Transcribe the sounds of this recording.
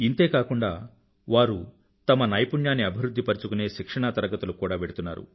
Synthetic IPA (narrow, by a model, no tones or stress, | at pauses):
int̪e̞ːkaːkuɳɖaː | ʋaːɾu | t̪ɐmɐnɐjɐpuɳjaːnːiɐbʱiɾud̪ʱːipɐɾit͡ʃukune̞ːʃikʂɐɳat̪ɐɾɐɡɐt̪ulukuːɽaːʋeɽut̪unːaːɾṵ